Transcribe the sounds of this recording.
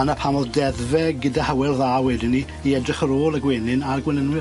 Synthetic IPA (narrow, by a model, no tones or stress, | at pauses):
anapʰamɔðdɛðvɛɡɪdahawɛlˠðaːwɛdɪni | iɛdrɪχəɾoːlˠaɡweːnɪnarɡwɛnənwɪ